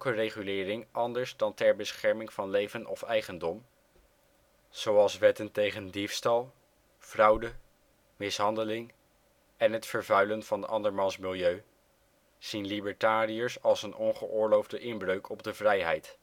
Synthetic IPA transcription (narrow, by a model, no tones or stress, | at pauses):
kərejχylɪːrɪŋɑndəɹzdɑntɛɹbəsχɛɹmɪŋvɑnlejvənʔɔfɛjχəndɔm | z̥owɑlˠsʋɛtəntejχəndifstɑlˠ | v̥rɑwdə | mɪsɦɑndəlɪŋ | ɛnɦətfəɹvœɥlənv̥ɑnɑ̰ndəɹmɑnsmɪlˠjøɥ | z̥inlibəɹtaːriəɹsɑlˠsənɔnχəʔʊːɹlowvdəʔɪnbrøɥkʰɔb̚dəvrɛjɦɛjt